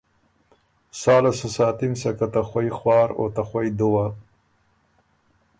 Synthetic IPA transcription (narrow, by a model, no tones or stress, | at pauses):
saːlasasaːt̪imsɐkat̪axwajxwɑːɾo̰t̪axwajd̪uwa